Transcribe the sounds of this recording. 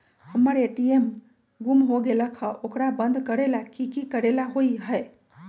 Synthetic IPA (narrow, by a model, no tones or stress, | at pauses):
həmːəɾeʈiem | ɡumɦoɡeləkʰəʔokɾabənd̪ʱkəɾelakikikəɾelaɦoiɦəe